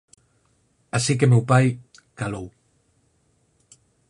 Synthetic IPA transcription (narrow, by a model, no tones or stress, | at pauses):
asik̬emewpaj | kalow